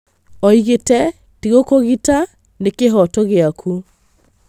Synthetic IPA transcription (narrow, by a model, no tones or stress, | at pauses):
ɔiɣetɛ | tiɣokoɣita | nekeɦɔtoɣeakʰu